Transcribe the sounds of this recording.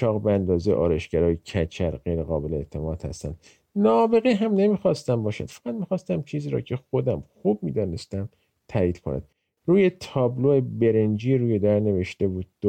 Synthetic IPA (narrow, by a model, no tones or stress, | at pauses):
ʃʰɒːɣbeænd̪ɒːzej̰ʔɒ̰ːɾeʃɡæɾɒːjecʰæt͡ʃʰæɾɢejɾeɣɒːbe̞leːt̪ʰːemɒːd̪̥hæ̰st̪æ̰nd̪̥ | nɒbe̞ɣiːɦæmne̞miːxɒst̪æmbɒːʃæ̰d̪̥fæɣæd̪miːxɒːst̪æmt͡ʃʰiːziːɾɒ̰ːcʰe̞xo̞d̪æmxub̚miːd̪ɒːne̞st̪æm | t̪ʰæːiːd̪̥kʰonæ̰d̪̥ | ruːje̞t̪ʰɒːbloebeɾend͡ʒiːɾuːjed̪æɾne̞ve̞ʃt̪e̞buːd̪̚ː